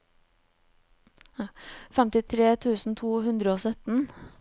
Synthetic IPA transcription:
fɛmt̪ɪt̪ʰɾeːt̪ʰʉːsn̩t̪ʰuːɦʉnd̪ɾəoːsœt̪n̩

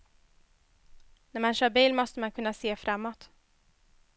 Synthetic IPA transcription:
næɾmanʃœːɾbiːlmɔst̪əmankʰɵnːaseːfɾʔamːɔt̪

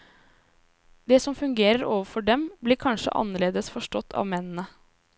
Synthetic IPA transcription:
d̪ɛːsɔmfʉŋɡeːɾəɾoːʋəfɔɖɛmbliːɾkʰɑnʂə̰ʔɑ̰nːəɭeːd̪əsfɔʂʈɔt̪ʰːɑ̰ːʋmɛnn̩ə

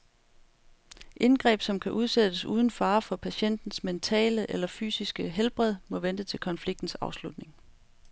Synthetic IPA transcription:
ʔe̝nɡ̥ʁɛ̰ːb̥sɒ̽mkʰæʔuð̞ˠsed̥əsṵːð̞ˠn̩fɑ̈ːfɒ̽pʰæɕen̰d̥n̩sment͡sʰɛ̰ːləʔelɐfy̰ːsisɡ̥əɦelb̥ʁɛð̞̰ˠmɔ̽ʋend̥ət͡sʰe̝lkʰɒ̽nfliɡ̥̚d̥n̩sɑ̈ʊslud̥ne̝ŋ

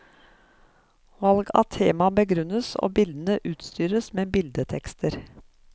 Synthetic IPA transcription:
ʋɑlɡɑ̰t̪ʰeːmɑbəɡɾʉnəso̰ːbɪld̪ən̩əʔʉːt̪st̪yːɾəsmeːbɪld̪ət̪ʰɛkst̪ʰəɾ

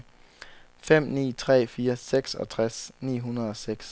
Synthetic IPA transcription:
fem̰nḭːt͡sʰʁɛ̰ːfiːɐseɡ̥sɒ̽t͡sʰʁasnḭːɦunɐð̞ˠɒ̽seɡ̥s

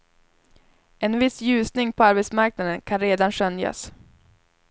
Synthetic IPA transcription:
ɛnvɪsjʉ̟ːsnɪŋpʰɔaɾbɛt̪smaɾk̚nad̪ənkʰanɾeːd̪anɕœnja̰s

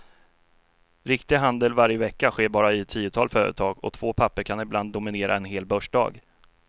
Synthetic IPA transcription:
ɾɪkt̪ɪɡɦand̪əlvaɾjəvɛkːaɧeːbɑːɾaɪt̪ʰiːʊt̪ʰɑːlfœːɾə̰t̪ʰɑːɡɔ̰t̪ʰv̥oːpʰapːəɾkʰanɪbland̪ːʊmɪneːɾʔa̰ɛnɦeːlbœʂɖɑ̰ːɡ

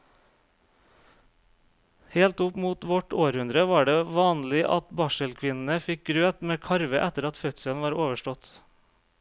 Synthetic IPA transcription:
heːlt̪ʊpmuːt̪ʋɔʈoːɾhʉnd̪ɾəʋɑːɖeːʋɑːnlɪʔɑ̰t̪bɑːʃəlkʰʋɪnn̩əfɪk̚ɡɾøːt̪meːkʰɑɾʋəʔæt̪əɾɑt̪fœt̪səlʋɑːɾoːʋəʃʈɔt̪

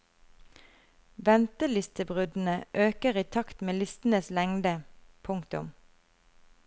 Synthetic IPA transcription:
ʋɛnt̪əlɪst̪əbʁʉd̪n̩əʔøːkəʁiːt̪ʰɑkt̪meːlɪst̪n̩əslɛŋd̪əpʰʊŋkt̪ʊm

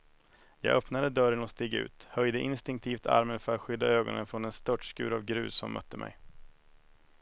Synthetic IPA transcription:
jɑ̰ːɡœpnad̪əd̪œɾənɔst̪ɪːɡʉ̟̰ːt̪hœjd̪əʔɪnst̪ɪŋk̚t̪ʰiːft̪ʰa̰ɾmənfœɾat̪ɧʏd̪ːaøːɡɔ̰nə̰nfɾɔnɛnst̪œʈʂkʉ̟ːɾavɡɾʉ̟ːssːɔmːʔœ̰t̪ːəmʔɛ̰j

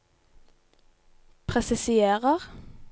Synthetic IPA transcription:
pʰʁɛsɪsɪeːʁəʁ

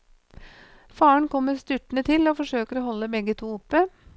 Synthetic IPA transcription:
fɑːəɳkʰɔmːəɾst̪ʉʈɳət̪ʰɪloːfɔʂøːkəɾoːhɔlːəbɛɡət̪ʰuːʊpːə

